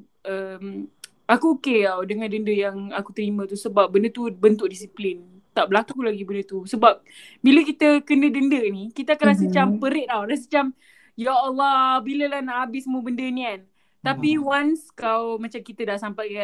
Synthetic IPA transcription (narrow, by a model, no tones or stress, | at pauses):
ʔəm | akuokeawdəŋãndəndəjaŋakut̪əɾimə̃t̪usəbap̚bəndət̪ubənt̪ʊk̚disiplɪn | t̪aʔbəlakulaɡibəndət̪usəbap̚ | biləkit̪əkənədəndənikit̪əakanasət͡ʃampəɾɪt̪̚awɾas̬ət͡ʃam | jaːlːɔbiləlahnaʔabɪsəmuəbəndənĩkan | t̪apiwanskawmat͡ʃamkit̪ədaʔsampajka